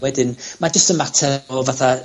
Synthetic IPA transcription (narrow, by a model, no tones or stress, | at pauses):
wɛdɪnmad͡ʒəstənmatʰɛɔvaθa